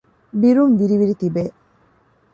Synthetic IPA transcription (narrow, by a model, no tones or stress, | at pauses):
biɾumviɾiβiɾit̪ibe